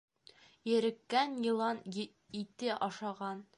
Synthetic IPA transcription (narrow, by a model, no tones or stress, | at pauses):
jɘ̆ɾɘ̆kːænjɤ̆lˠɑn | it̪ɘʔɒʃɑʁɑn